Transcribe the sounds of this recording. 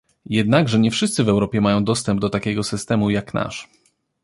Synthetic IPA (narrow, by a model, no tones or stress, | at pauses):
jɛd̪naɡʐɛɲɛfʂɘst̪sɘvɛwɾɔpʲjɛmajɔ̃w̃d̪ɔst̪ɛmb̚d̪ɔt̪akʲɛɡɔsɘst̪ɛmujakna̰ʂ